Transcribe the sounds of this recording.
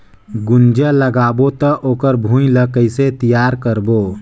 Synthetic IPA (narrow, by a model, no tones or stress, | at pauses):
ɡʊnd͡ʒələɡaːbot̪əʔoːkəɾbʱũiləkəɪset̪ijaːɾkəɾboː